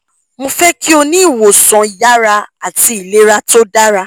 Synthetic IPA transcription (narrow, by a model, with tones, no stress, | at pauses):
mõ˧fɛ˦ki˦o˧nĩ˦i˦˨wo˨sɔ̃˨˦i˨ja˦ɾa˧a˦˨ti˨˧i˨le˦ɾa˦to˦da˦ɾa˧